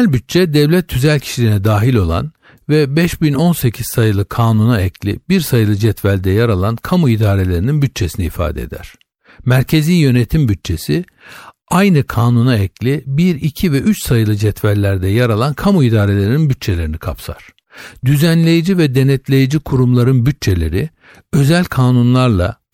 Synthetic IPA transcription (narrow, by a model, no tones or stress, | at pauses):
lʲbyt̚t͡ʃʰɛd̪ɛvlʲɛt̪ʰːyzælʲcʰi̥ʃilʲinɛd̪aːɦilʲo̞lˠa̰n | vɛbɛʃbino̞nse̞cʰizsajɯlˠɯkʰaːnunaɛcʰlʲḭbiɾsajɯlˠɯd͡ʒɛt̪vælʲd̪ɛjaɾalˠankʰamuid̪aːɾe̞lʲe̞ɾininbyt̪̚t͡ʃʰe̞siniːfa̰ːd̪ɛ̰d̪æ̰ɾ̥ | mæɾcʰe̞ziːjjø̞net̪ʰimbyt̚t͡ʃʰe̞si | ajnɯkʰaːnunaɛclʲibiɾicʰivɛʔyt͡ʃsajɯlˠɯd͡ʒɛt̪vælʲlʲːæɾd̪ɛjaɾalˠankʰamuid̪aːɾe̞lʲe̞ɾininbyt̪̚t͡ʃʰe̞lʲe̞ɾinikʰa̰psʰa̰ɾ̥ | d̪yzænlʲe̞jid͡ʒivɛd̪e̞nɛt̪lʲe̞jid͡ʒikʰuɾumlˠaɾɯnbyt̚t͡ʃʰe̞lʲe̞̰ɾi | ø̞zælʲkʰaːnunlˠaɾlˠa̰